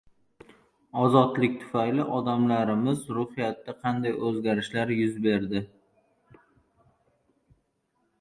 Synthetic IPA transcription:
ɒzɒt̪lɪk̚ʲt̪ʰʊ̥fajlɪʔɒd̪amlaɾɪmɪzɾʊhɪjat̪ːaqʰɑnd̪ajɵzɡʲaɾɪʃlaɾjʊzbe̞ɾd̪ɪ

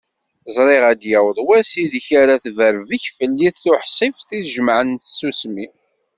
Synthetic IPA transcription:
zˤɾˤɪʁæd̪jæwðˤwæsiðiçaɾaθvəɾviçfəlːiθːʊħsˤifθiθʒəmʕənθsːusmi

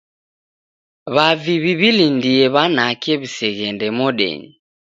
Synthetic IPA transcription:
βaviβiβilindiɛβanakɛβisɛɣɛndɛmɔɗɛ̰ɲi

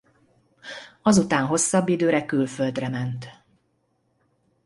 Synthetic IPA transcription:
ɒzut̪aːnɦo̞sːɒbːid̪øːɾɛkylfø̞ld̪rɛmɛnt̪

